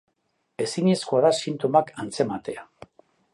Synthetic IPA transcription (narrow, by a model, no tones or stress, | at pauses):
e̞siɲeskoaðasint̪omakant͡se̞mat̪e̞a